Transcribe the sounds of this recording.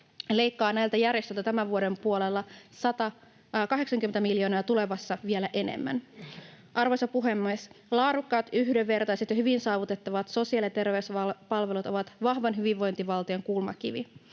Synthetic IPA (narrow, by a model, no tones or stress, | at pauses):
le̞jkːɑːnæjlt̪æjærjest̪ølt̪æt̪æmæʋʋuode̞mpuolelːɑsɑt̪ɑ | kɑɦe̞ksɑŋkyment̪æmiljo̞ːnɑːt̪ule̞ʋɑsːɑʋie̞læʔe̞nḛmːæ̰n | ʔɑrʋojsɑpuɦe̞mːeslɑːɾukːɑːt̪yhdeʋːe̞rt̪ɑjset̪jɑhyʋinsɑːʋut̪e̞t̪ːɑʋɑt̪so̞siɑliɑt̪e̞rʋeysɑpɑlʋe̞lut̪o̞ʋɑt̪ʋɑɦʋɑnɦyʋiʋʋo̞jnt̪iʋɑlt̪ioŋkulmɑ̰kiʋi